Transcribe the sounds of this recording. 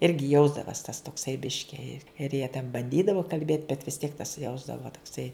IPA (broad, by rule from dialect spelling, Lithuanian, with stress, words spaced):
ˈɪrʲɡʲɪ ˈjɛʊzdɐʋɐs tɐs toːkˈsɐɪ ˈbʲɪʃʲkʲɪ ɪ ɪr jiɛ tʲɛn bɐnʲˈdʲiːdɐʋoː kɐlʲˈbʲeːt bʲɛt ʋʲɪs tʲiɛk tɐs ˈjɛʊzdɐʋoː toːkˈsɐɪ